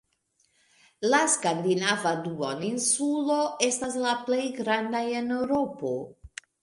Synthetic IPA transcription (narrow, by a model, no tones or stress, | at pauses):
laskandinavaduoninsulo̞e̞staslaple̞jɡɾandaje̞ne̞wɾo̞po̞